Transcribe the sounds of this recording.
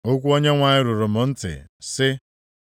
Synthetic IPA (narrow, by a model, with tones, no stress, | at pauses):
o˦kʷu˦o˦ɲe˦ŋʷa˨ɲɪ˦ɾʊ˨ɾʊ˨mʊ˨n̩˦tɪ̰˨sɪ˦